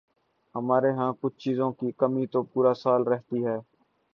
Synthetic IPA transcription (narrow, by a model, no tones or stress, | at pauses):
ɦəmaːɾeːɦãːkʊt͡ʃʰt͡ʃiːzõːkiːkəmiːt̪oːpuːɾaːsaːlɾəɦt̪iːɦɛː